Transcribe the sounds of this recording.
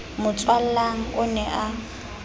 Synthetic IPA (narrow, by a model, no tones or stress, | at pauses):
mʊt͡sʼwal̩laŋ̩ʊnɛʔa